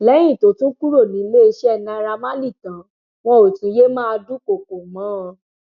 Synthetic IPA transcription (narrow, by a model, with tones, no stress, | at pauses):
lɛ˨˦j̃ĩ˦˨to˨˦tũ˦ku˦ɾo˦˨nĩ˨˦le˦e˧ʃɛ˦ɛ˧˨nã˧˦˧ɾa˧mã˦li˦˨tã˨˦ | w̃ɔ̃˦o˨tĩ˨˦je˦mã˦a˧du˦ko˨ko˨mã˨˦˧